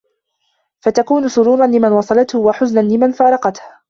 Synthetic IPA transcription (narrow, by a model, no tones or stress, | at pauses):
fat̪akuːnʊsʊɾuːɾˤɑnlɪmanwɑsˤɑlɑt̪hʊwaħʊznanlɪmanfɑːɾˤɑqɑt̪h